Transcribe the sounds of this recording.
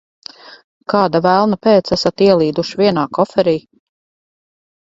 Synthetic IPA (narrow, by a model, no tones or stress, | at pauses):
kɑːd̪avælˠnapɛːt̪sæsat̪iɛlˠiːd̪uʃviɛnaːkɔfɛɾiː